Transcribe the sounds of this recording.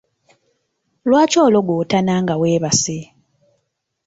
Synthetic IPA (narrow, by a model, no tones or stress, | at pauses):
lwaːcoːloɡwotanaŋɡaweːβase